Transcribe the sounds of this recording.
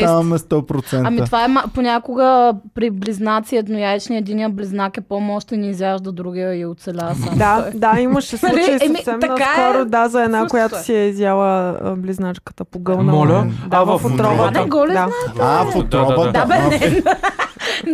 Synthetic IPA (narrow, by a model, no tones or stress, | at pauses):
amɛst̪ɔpɾot̪sɛɐmivaɛmaponʲakʊɡəpɾibliznat̪siɛt̪nʊjaɛt͡ʃniəɛd̪inijəbliznakɛpɔmɔʃt̪ɛniːzjaʃd̪od̪ɾuɡʲiəɛʊt̪sɛlʲasad̪ad̪aiməʃɛsˠut͡ʃəjsɛmisɛmɐnɐk̪akɔɾʊd̪azɐɛd̪nakojat̪ʊ̥siɛizjalˠəbliznat͡ʃkə̥t̪əpoɡɤlˠnəɔlʲəd̪avɐfot̪ɾɔvənɡɔlid̪aafot̪ɾɔbd̪abɛnɛn